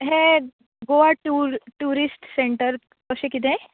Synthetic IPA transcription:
ɦẽ | ɡoʋaʈuɾʈuɾisʈseɳʈəɾ | kəɕekit̪̬ẽ

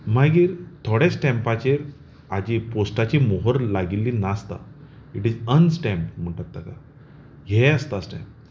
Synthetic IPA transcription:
maɡiːɾt̪ʰoɽesʈɛ̃mpat͡ɕeɾ | ad͡ʑiposʈat͡ɕimoɦəɾlaɡilːinast̪a̰ | iʈizənsʈɛ̃mpm̤əɳʈat̪̚d̪aka | jɛəst̪asʈɛ̰̃mp

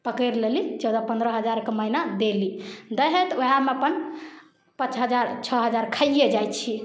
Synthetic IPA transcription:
pəkəɾlelit͡ʃɔwd̪apə̃nd̪ɾəɦəd͡ʒaɾkeməɦinad̪elid̪əɦet̪oameəpən | pə̃t͡ʃɦəd͡ʒaɾt͡ʃʰɔɦəd͡ʒaɾkʰəjed͡ʒajt̪t͡ʃʰi

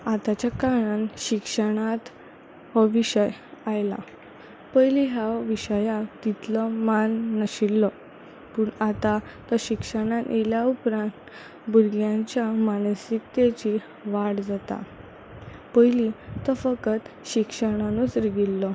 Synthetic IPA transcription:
at̪at͡ɕjakaɽ̃anɕikʂəɽ̃at̪ | ʋəʋiɕəjajla̰ | pəjliɦaʋiɕəjat̪it̪lɔmanːəɕilːɔ | puɳat̪at̪əɕikʂəɽ̃ajeljaupɾãnt̪ | buɾɡjãɲt͡ɕjamansik̚t̪et͡ɕi | ʋaɽd͡zat̪a̰ | pəjlit̪əfəkət̪ɕikʂəɽ̃anusɾiɡilːɔ

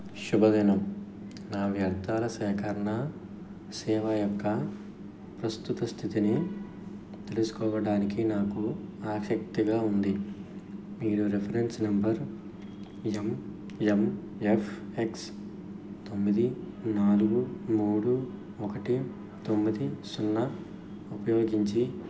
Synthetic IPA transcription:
ʃubɐd̪ɛːnɐm | naːʋjɐɾt̪aːlɐsɛːkɐɾɐɳɐ | sɛːʋɐjɔkːɐ | pɾɐst̪ut̪ɐst̪ʰit̪ini | t̪e̞lusu̥kɔːʋɐɽaːnikinaːkuaːʂɐk̚t̪iɡaːund̪i | miːɾuɾepʰɐɾensnɐmbɐɾ | em | em | epʰeks | t̪o̞mːid̪i | naːluɡumuːɽu | ɔkɐʈi | t̪o̞mːid̪isunːɐ | upɐjoːɡiɲt͡ʃi

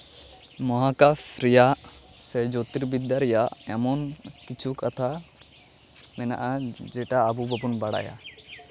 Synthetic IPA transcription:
mɔɦakasɾijaʔsɛd͡ʒot̪iɾbid̪jaɾɛjaʔɛmɔnkit͡ʃʰukat̪ʰa | mɛna̰ʔad͡ʒɛʈaːbubəbunbaɽa̰ja̰

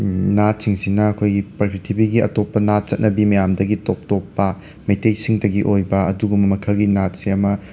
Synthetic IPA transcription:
nat̚siŋsinɐɐkʰojɡipɐpʰitʰibiɡiɐ̰topːɐnat̚t͡ʃɐt̚nɐbimɐjamdɐɡitop̚topːɐ | mejtejsiŋdɐɡiʔojbɐɐduɡumɐmɐkʰɐlɡinat̚seɐmɐ

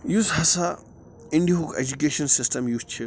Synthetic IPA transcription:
jusɦɐsa | ɪ̃ɳɖiɦukḛd͡ʒukeːʃɐnsɪsʈɐmjust͡ʃʰi

